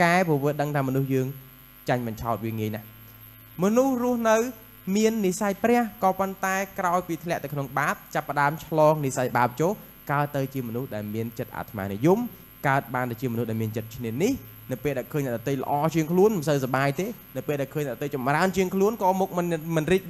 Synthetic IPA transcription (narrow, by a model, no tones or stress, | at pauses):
kaɛpuəʋiəɗəŋt̪ʰaːmɔnuhjəːŋ | t͡ɕaɲɓɑɲt͡ɕʰaɔt̪̚ʋiəŋiəjnah | mɔnuhrʊ̆əhnɨw | miənːisajprɛ̆əhkɑːpont̪aɛkraɔjpiːt̪ʰlɛ̆əʔt̪ɨwkʰnoŋɓaːp̚t͡ɕapːə̆ɗaəmt͡ɕʰlɔːŋnisajɓaːp̚t͡ɕoːh | kaət̪ːɨwt͡ɕiəmɔnuhɗaɛlmiənt͡ɕət̪̚ʔa̰ːt̪ʰma̰ːnijum | kaət̪̚ɓaːnt̪at͡ɕiəmɔnuhʔɗaɛlmiənt͡ɕət̪̚t͡ɕʰniənih | nɨwpeːlɗaɛlkʰəːɲnaɗ̪t̪ejlə̰̆ʔɑːt͡ɕiəŋkʰluənməsəwsaɓaːjt̪eːnɨwpeːlɗaɛlkʰəːɲʔaʔɗot̪ejt͡ɕɑmraənt͡ɕiəŋkʰluənkɑːmoːk̚mɨnmɨnriːk̚